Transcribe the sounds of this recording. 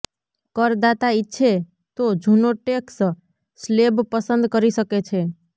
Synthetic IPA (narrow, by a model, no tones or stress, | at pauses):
kəɾd̪at̪aitːʃʰe | t̪od͡ʒʱunoʈeks | slebpəsə̃nd̪kəɾisəket͡ʃʰe